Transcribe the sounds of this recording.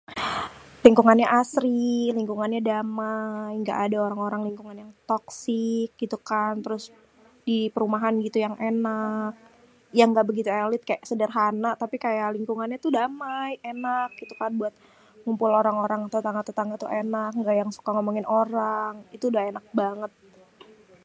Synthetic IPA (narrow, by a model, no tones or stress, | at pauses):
liŋkuŋanɲaʔasɾiliŋkuŋanɲadamajŋɡa̰ʔadaoɾaŋoɾaŋliŋkuŋanjaŋt̪ɔksɪk̚ɡit̪ukant̪əɾʊs | dipəɾumaɦanɡit̪ujaŋʔenak̚ | jaŋɡaʔbəɡit̪ualɪt̪̚kajaʔsədərɦanaʔt̪apikajaʔliŋkuŋanɲat̪udamajenak̚ɡit̪ukanbuat̪̚ | ŋumpʊloɾaŋoɾaŋt̪ət̪aŋat̪ət̪aŋat̪uʔenak̚ŋɡaʔjaŋsu̥kaŋomoŋɪnoɾaŋit̪uːdahenak̚baŋət̪̚